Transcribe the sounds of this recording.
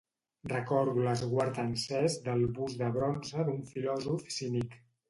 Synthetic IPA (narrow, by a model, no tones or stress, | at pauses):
rəkɔɾðuləzɣwaɾt̪ənsɛzd̪əlˠβuzðəβɾɔnzəðuɱfilɔzufsinik